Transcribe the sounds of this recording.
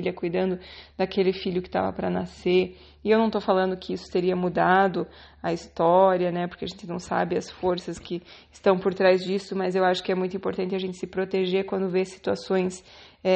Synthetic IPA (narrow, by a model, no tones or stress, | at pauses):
iljɐkujd̪ɐ̃nd̪ʊd̪akelɪfiʎjʊkɪ̥t̪a̰vɐ̰pɾɐnaseɾ | ɪewnɐ̃w̃t̪owfalɐ̃nd̪ʊkɪisʊ̥t̪eɾiɐmud̪ad̪ʊ | ɐist̪ɔɾiɐnɛpoɾkeɐʒẽnt͡ʃ̪ɪnɐ̃w̃sa̰bɪɐsfoɾsɐskɪɪst̪ɐ̃w̃poɾt̪ɾajzd͡ʒisʊmɐzewaʃʊ̥kɪɛmũj̃t̪ʊuĩpoɾt̪ɐ̃nt̪ɪɐʒẽnt̪ɪ̥sɪpɾot̪eʒeɾkwɐ̃nd̪ʊvesi̥t̪uasõj̃sɛ